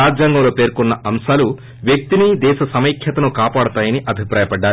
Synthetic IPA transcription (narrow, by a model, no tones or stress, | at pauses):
aːd͡ʒjaːŋɡɐmlo̞ːpe̞ːɾkɔnːɐɐmʃaːlu | ʋjek̚t̪inid̪ɛːʃɐsɐmɐjkʰjɐt̪ɐnukaːpaːɽut̪aːjɐniʔɐbʱipɾaːjɐpɐɖːaː